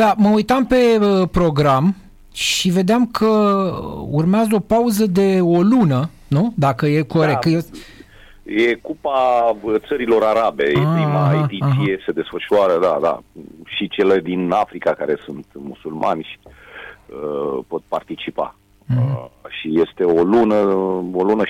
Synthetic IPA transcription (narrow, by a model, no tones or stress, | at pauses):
d̪aməujt̪ampe̞əpɾo̞ɡɾam | ʃive̞d̪eamkʰə | urmeazəo̞pauzəd̪e̞olunə | nud̪akəje̞ko̞ɾet̪je | je̞kupat̪səɾilo̞ɾaɾabe̞jeɾimait̪iiesed̪e̞sfəʃuaɾəd̪a̰d̪a̰ʃit͡ʃe̞led̪inafɾikakaɾe̞sunt̪musulma̰nʲʃi̥ | əpo̞t̪̚part̪it͡ʃipa̰ | ʃijest̪e̞olunəolunə